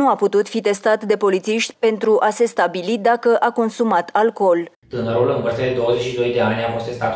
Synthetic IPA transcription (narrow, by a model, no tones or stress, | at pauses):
uaput̪ut̪fit̪e̞st̪at̪d̪e̞po̞lit̪siʃt̪ʲpe̞nt̪ɾuʔase̞st̪abilid̪akəʔako̞nsumat̪ʰalko̞l | t̪ɨnəɾulɨmpəɾt̪ad̪e̞d̪o̞wəze̞t͡ʃʃid̪o̞jd̪e̞anʲafo̞st̪e̞st̪at̪